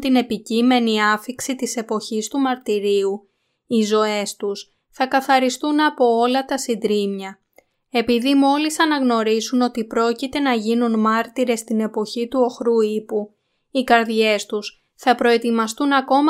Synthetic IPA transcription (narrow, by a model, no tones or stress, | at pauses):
t̪ine̞picime̞niɐfiksit̪ise̞po̞çist̪umɐɾt̪iɾiu | izo̞e̞st̪us | θɐkɐθɐɾist̪unɐpo̞olɐt̪ɐsind̪ɾimɲɐ | e̞piðimo̞lisɐnɐɣno̞ɾisuno̞t̪ipɾo̞cit̪e̞nɐʝinunmɐɾt̪iɾe̞st̪ine̞po̞çit̪uo̞xɾuipu | ikɐɾðʝe̞st̪us | θɐpɾo̞e̞t̪imɐst̪unɐko̞mɐ